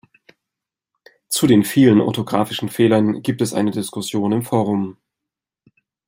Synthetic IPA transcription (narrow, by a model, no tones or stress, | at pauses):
t͡sudeːnfiːlənʔɔ̰tʰoɡʁaːfɪʃn̩feːlɐnɡ̥iːp̚tɛsʔa̰ɪnədɪskʊsjoːnɪmfoːʁ̞ʊm